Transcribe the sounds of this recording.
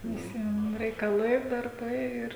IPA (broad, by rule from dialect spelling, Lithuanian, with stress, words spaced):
ʋʲɪˈsʲiɛm rʲɛɪkɐˈlˠɐɪ dɐrˈbɐɪ ˈɪr